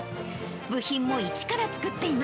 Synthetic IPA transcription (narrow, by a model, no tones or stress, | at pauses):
bɯ̟çĩmːo̞it͡ɕi̥kaɾat͡sɨ̥kɯ̟t̪ːe̞ima